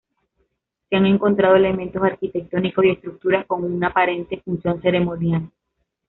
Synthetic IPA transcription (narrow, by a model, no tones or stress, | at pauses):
seaŋe̞ŋko̞nt̪ɾaðo̞e̞le̞mẽ̞nt̪o̞saɾkit̪e̞k̚t̪o̞niko̞sie̞st̪ɾuk̚t̪uɾasko̞ŋunapaɾe̞nt̪e̞funsjo̞nse̞ɾe̞mõ̞njal